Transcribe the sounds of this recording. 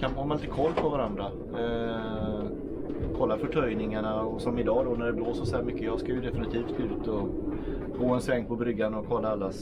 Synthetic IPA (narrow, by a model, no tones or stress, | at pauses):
kʰanɔnmanɪit̪əkʰɔlːpʰɔvaɾand̪ɾa | kʰɔlːafœʈʰœjnɪŋaɳaɔsɔmɪd̪ɑːd̪ɔnæɖɛbloːsɔsæːɾmʏkːəjɑskavɪd̪ɛfɪnɪt̪ʰiːft̪ʉ̟ːt̪ɔ | ɡoːɛnsvɛŋpʰɔbɾʏɡːanɔkʰɔlːaalːas